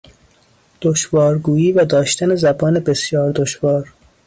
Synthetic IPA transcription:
d̪̥oʃvɒːɾɡuːjiːvæd̪ɒːʃt̪ʰænezæbɒːnebe̞sjɒːɾd̪oʃvɒːɾ

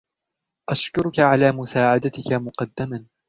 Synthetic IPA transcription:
ʔaʃkʊɾʊkaʕalaːmʊsaːʕad̪at̪ɪkamʊqɑd̪ːaman

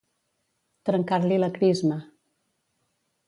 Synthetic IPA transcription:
t̪ɾəŋkaɾliləkɾizmə

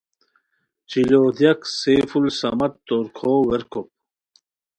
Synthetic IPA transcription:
t͡ɕiloːd̪jɐksefulsɐmɐt̪t̪oɾkʰoːweɾkʰop̚

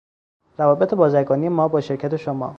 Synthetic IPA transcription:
ɾævɒːbet̪ʰebɒːzæɾɡɒːnije̞mɒːbɒːʃe̞ɾcʰæt̪ʰe̞ʃomɒ̰ː

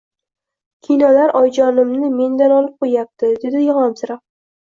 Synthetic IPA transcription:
kʲʰinɒlaɾʔɒjd͡ʒɒnɪmnɪme̞nd̪anɒlɪp̚qʰojap̚t̪ɪd̪ɪd̪ɪjɒʁɒmsɪɾa

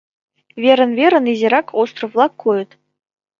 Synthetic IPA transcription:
vʲeɾə̆nvʲeɾə̆nizʲeɾɑkʰost̪rɤ̆vlˠɑkʰːujɤ̆t̪

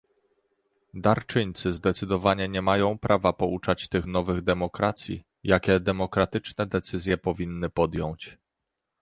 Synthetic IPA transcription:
d̪aɾt͡ʂɘɲt̪sɘzd̪ɛt̪sɘd̪ɔvaɲɛɲɛmajɔ̃w̃pɾʔavapɔut͡ʂat͡ɕt̪ɘxnɔvɘɣd̪ɛmɔkɾat̪sʲjḭ | jakʲɛd̪ɛmɔkɾat̪ɘt͡ʂnɛd̪ɛt̪sɘzʲjɛpɔvʲinːɘpɔd̪jɔ̃w̃t͡ɕ

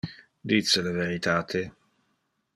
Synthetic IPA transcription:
d̪it̪selaveɾit̪aːt̪ʰe

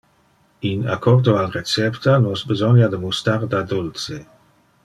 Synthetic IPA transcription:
ina̰kʰɔʁd̪oalret͡sɛpt̪anɔsbezɔnjad̪əmust̪ard̪ad̪ult͡se

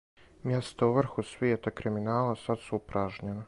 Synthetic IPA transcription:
mjest̪auʋr̩xusʋjeːt̪akɾiminaːlasad̪suupɾaʒɲena

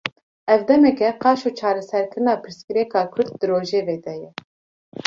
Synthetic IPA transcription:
ɛvd̪ɛmɛkɛqɑːʃoːt͡ʃʰɑːɾɛsɛɾkʰɨɾɨnɑːpʰɨɾskɨɾɛkɑːkʰʊɾd̪̚d̪ɨɾoːʒeːveːd̪ɛjɛ

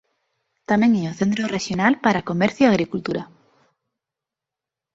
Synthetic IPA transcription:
t̪amẽŋeoθent̪ɾoreʃjonalpaɾakomeɾθjiaɣɾikult̪uɾa

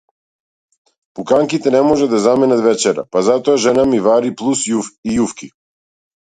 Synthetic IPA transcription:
pukaŋkit̪ɛnɛmɔʒɛd̪azamɛnat̪vɛt͡ʃɛɾa̰pazat̪ɔaʒɛnamivaɾiplˠusjufijufki

